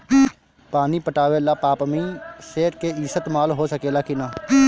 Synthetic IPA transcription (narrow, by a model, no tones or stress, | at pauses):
paːnipəʈaːʋelaːpaːpmĩːseːʈkeiːsət̪maːlɦosəkeːlaːkinaː